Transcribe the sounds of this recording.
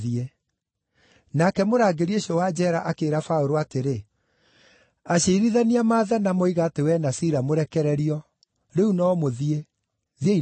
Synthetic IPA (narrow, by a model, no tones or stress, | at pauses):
ie | nakɛmoɾaːɡeɾieɕiɔwad͡ʑɛɾaʔakeːɾafaoɾoateɾe | aɕeiɾiðaniamaːðanamoiɣatewɛnasiɾamoɾɛkɛɾɛɾiɔ | ɾeunɔːmoðie | ðiei